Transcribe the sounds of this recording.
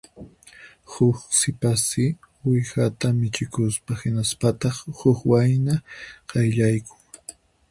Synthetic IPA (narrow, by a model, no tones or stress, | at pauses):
hʊχsɪpasɪ | wɪjhat̪amɪt͡ʃɪkʊspahɪnaspat̪ɑχhʊhwajnaqɑjʎajkʊ̥ŋ